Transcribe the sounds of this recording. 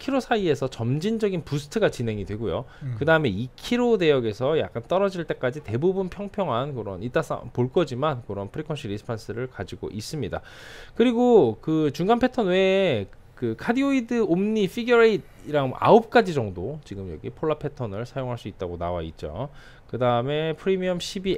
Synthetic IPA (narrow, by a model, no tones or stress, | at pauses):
kʰiɾosʰaie̞sʰʌt͡ɕʌmd͡ʑind͡ʑʌɡinpusʰɯ̥tʰɯɡat͡ɕine̞ŋidwe̞ɡojo̰kɯdaɯme̞ikʰiɾode̞jʌɡe̞sʰʌja̰k̚k͈ant͈ʌɾʌd͡ʑiɭt͈e̞k͈ad͡ʑite̞bubunpʰjʌŋpʰjʌŋɦankɯɾʌ̰nit͈as͈a̰poɭk͈ʌd͡ʑimankɯɾʌnpʰɯɾikʰʌnɕʰiɾisʰɯ̥pʰans͈ʰɯɾɯɭkad͡ʑiɡo̰ʔis͈ɯmɲida̰ | kɯɾiɡokɯt͡ɕuŋɡanpʰe̞tʰʌnwe | kɯkʰadioidɯomɲifʰiɡjʌɾeid | iɾaŋa̰op̚k͈ad͡ʑid͡ʑʌŋdot͡ɕiɡɯmjʌɡḭpʰoɭːapʰe̞tʰʌnɯɭsʰajoŋɦaɭs͈uit̚t͈aɡonawa̰it̚t͡ɕ͈o̰ | kɯdaɯme̞pʰɯɾimiʌmɕʰibi